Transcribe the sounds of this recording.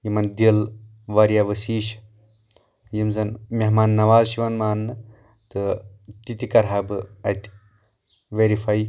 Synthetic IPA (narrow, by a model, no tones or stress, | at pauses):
jimɐnd̪il | ʋɐɾjaʋɐsiːʃ | jimzɐnmʲeɦmaːnːɐʋaːzʃiʋɐnmaːnːɨ | t̪ɨt̪it̪ikɐɾɦaːbɨɐt̪i̥ | ʋeɾifʰaj